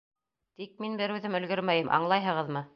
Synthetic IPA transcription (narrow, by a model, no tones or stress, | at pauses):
t̪ik̚minbɘɾʉðɘmɵ̆lɡɵɾmæjɘmʔɑ̰ɴlˠɑjɦɤ̆ʁɤðmɤ